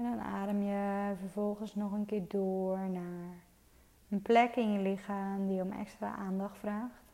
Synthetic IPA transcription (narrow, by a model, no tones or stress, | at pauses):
ɛndɔna̰ːdəmjəfərvɔlˠxənsnɔxənkɪːrdoəəɹnar | ənplɛkɪnjəlɪxaːmdijəomɛ̰kstra̰ʔaːndɔxtfraːxt